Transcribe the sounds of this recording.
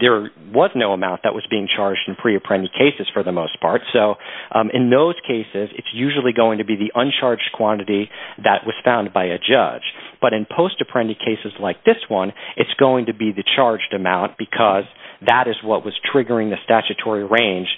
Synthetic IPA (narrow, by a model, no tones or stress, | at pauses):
ðə˞wʌznoʊəmãʊ̃nðəʔwʌzbiɪ̃ŋt͡ʃʰɑɹd͡ʒd̃n̩pʰɹ̥iɨpʰɹ̥ɛ̃ndikʰeɪsɨz̥fə˞ðəmoʊspʰɑ̰ɹtsoʊʔɨ̃nðoʊz̥kʰeɪsɪzɨ̰tsjʉʒl̩ˠiɡoʊɪ̃ŋtʰɨbiðiʔʌ̃nt͡ʃʰɑɹd͡ʒdkʰw̥ɑ̃nɨɾiðɨʔ̚wʌz̥fãʊ̃n̚baɪɨd͡ʒʌ̰̥d͡ʒb̥ʌɾɨ̃npʰoʊstɨpʰɹ̥ɛ̃ndikʰeɪsɨzlaɪk̚ðɪswʌ̃nʔɨtsɡ̥oʊɪ̃ŋtɨbiðɨt͡ʃʰɑɹd͡ʒdɨmãʊ̃nb̥ɨkʰʌzðəɾɨzwʌʔ̚wʌz̥tʰɹ̥ɪɡə˞ɪ̃ŋðɨstæt͡ʃɨtʰɔɹiɹẽɪ̃nʒ̥